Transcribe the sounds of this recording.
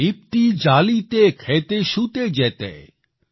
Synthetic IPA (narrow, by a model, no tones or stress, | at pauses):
ip̚t̪id͡ʑalit̪ekʰet̪eʃut̪ed͡ʑet̪ɛ̰